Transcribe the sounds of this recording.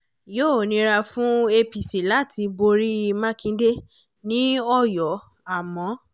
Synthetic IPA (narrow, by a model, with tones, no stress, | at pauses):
joː˦˨nĩ˨˦ɾa˧fũ˦e˧pi˨si˨la˨˦ti˧bo˧ɾi˦˧mã˦kĩ˧˦de˦ | nĩ˦ɔ˦˨jɔ˨˦ | a˦˨mɔ̃˨˦